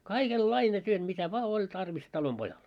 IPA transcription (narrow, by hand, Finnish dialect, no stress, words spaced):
kɑikelːɑine tyøt mitæ ʋŏɑ olʲ tɑrʋis tɑlomb̥ojɑl